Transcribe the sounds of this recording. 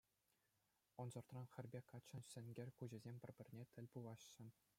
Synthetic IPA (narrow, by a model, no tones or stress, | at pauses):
ŏnzɤ̆rt̪rɑnxʲɘ̆rʲbʲekɑt͡ɕːɤ̆nɕʲɘ̆nʲɡʲɘ̆rʲkuʑɘ̆zʲemʲpʲɘ̆rʲbʲɘ̆rʲnʲet̪ʲɘ̆lʲbulˠɑɕːɘ̆